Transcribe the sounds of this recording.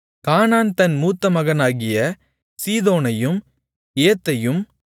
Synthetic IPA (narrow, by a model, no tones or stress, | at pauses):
kaːnaːnt̪ɐnmuːt̪ːɐmɐɣɐnaːɣɪjɐ | siːðoːnɐjɯm | eːt̪ːɐjɯm